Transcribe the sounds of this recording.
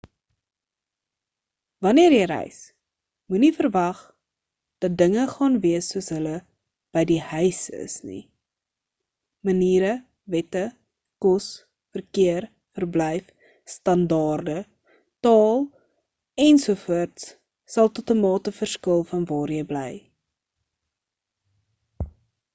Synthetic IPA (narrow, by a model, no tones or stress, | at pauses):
vɐniərjəjɾɛ̰js | munifərvɐχ | d̥ɐt̚dəŋəχɑːnviəsːuəsɦələ | b̥əjdihœɥsə̰snḭ | məniːɾə | vɛtə | kɔs | fərkiər | fərblɛjf | stɐndɑːrdə | tɑːlˠ | ɛnsufuərts | sɐlˠtɔtəmɑːtəfərskəlˠfɐnvɑːrjəjbləj